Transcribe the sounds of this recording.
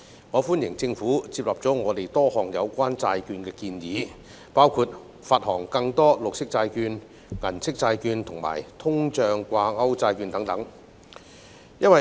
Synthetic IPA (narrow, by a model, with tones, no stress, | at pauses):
ŋɔː˨˧fuː˥njɪ˨˩ŋt͡sɪ˧ŋfuː˨˥t͡siː˧p̚lɐ˨p̚t͡sɔː˨˥ŋɔː˨˧t̪e˨˩jt̪ɔː˥hɔː˨˩ŋjɐ˨˧wkʷaː˥nt͡saː˧jkyː˧nkɛː˧kiː˧njiː˨˥ | paː˥wkʰuː˧t̚ | faː˧˩t̚hɔː˨˩ŋkɐ˧ŋt̪ɔː˥lʊ˨k̚sɪ˥k̚t͡saː˧jkyː˧n | ŋɐ˨˩nt͡sʰɪ˥k̚t͡saː˧jkyː˧nt̪ʰʊ˨˩ŋma̰ː˨˩jt̪ʰʊ˥ŋt͡ʃœː˧ŋkʷaː˧ŋɐ˥wt͡saː˧jkyː˧nt̪ɐ˨˥ŋt̪ɐ˨˥ŋ | jɐ˥nwɐ˨